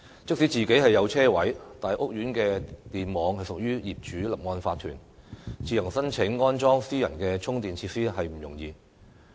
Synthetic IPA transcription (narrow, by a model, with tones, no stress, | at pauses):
t͡sɪ˥k̚si˨˥t͡siː˨ke˨˥jɦɐ˨jːɐ˨˧wt͡sʰɛː˥wɐ˨˥jt̪aː˨nhɐ˨˩ʔʊ˥k̚jyː˨˥nkɛː˧t̪iː˨nmɔː˨˧ŋhɐ˨jsʊ˨k̚jyː˥jiː˨p̚t͡ʃyː˨˥lɐ˨˩p̚ŋɔː˧nfaː˧t̪ʰyː˨˩n | t͡siː˧jɐ˨˩ŋsɐ˥nt͡ʃʰɪ˨˥ŋːɔː˥nt͡ʃɔː˥ŋsiː˥jɐ˨˩nkɛː˧t͡ʃʰʊ˥ŋt̪iː˨nt͡sʰiː˧t̚siː˥ɦɐ˨jm̩˨˩jʊ̰˨˩ŋjiː˧